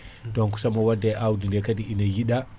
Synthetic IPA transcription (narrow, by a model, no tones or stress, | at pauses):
dɔnku̥samawadːaʔawdindɛkadiʔinajiɗa